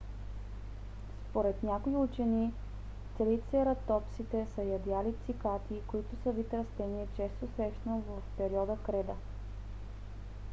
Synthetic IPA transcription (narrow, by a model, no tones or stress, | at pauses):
spoɾɛt̪nʲakoiut͡ʃɛni | t̪sɛɾit̪sɛɾɐt̪ɔpsit̪ɛsəjɐd̪alit̪sikat̪ʰikoit̪ʊsəvit̪ɾɐst̪ɛniɛt͡ʃɛst̪osɾɛʃnovɐfpɛɾiɔd̪əkɾɛd̪ə